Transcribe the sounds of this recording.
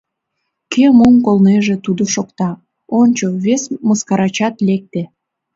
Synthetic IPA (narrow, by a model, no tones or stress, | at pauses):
kʰemomkolneʒet̪ud̪oʃokt̪ɑ | onʲt͡ɕoβesməskɑɾɑt͡ɕɑt̪lek̚t̪e